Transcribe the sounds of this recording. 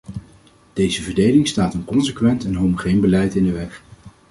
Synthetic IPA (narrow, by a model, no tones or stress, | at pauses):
d̥ejzəvəɹdejlɪŋstaːtənkɔnsəkʋɛntɛnɦowmoχejnbəlɛjtɪndəʋɛχ